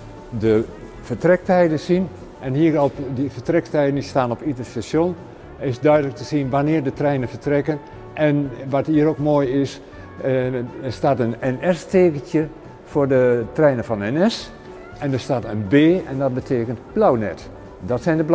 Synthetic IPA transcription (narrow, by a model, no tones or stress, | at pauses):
də | fərtrɛk̚tɛjdənsin | ʔɛnhiəropdəfətrɛktɛjdəndistaːnɔpitəstasjon | ɪsdœɥdələk̚təsinʋanɪərdətrɛjnənfətrɛkən | ʔɛnʋɔthiəɾokmoːjɪs | əstaːtənɛnɛsteːkəntjə | foːrdətrɛjnəfɔnɛnɛs | ɛndərstaːtənbeːɛndɔt̚bətʰeːkəntb̥lawnɛ̰t | dɔtsɛjndəb